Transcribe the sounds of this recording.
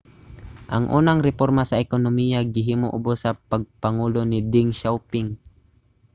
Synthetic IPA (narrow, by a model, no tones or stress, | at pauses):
ʔɐŋʔuːnaŋɾɛpoɾmasɐʔɛkonomijaɡɪɦiːmoʔʊbosɐpɐɡ̚pɐŋuːlonɪd̪ɪŋʃawpɪŋ